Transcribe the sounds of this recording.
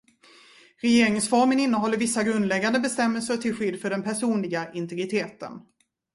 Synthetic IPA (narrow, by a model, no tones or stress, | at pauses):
ɾɛjeːɾɪŋsfɔɾmənɪnːəɦɔlːəɾvɪsːaɡɾɵnd̪lɛɡːand̪əbɛst̪ɛmːəlsəʈʰɪlɧʏd̪ːfœɖɛnpʰæʂuːnlɪɡaʔɪnt̪ɛɡɾɪt̪ʰeːt̪ə̰n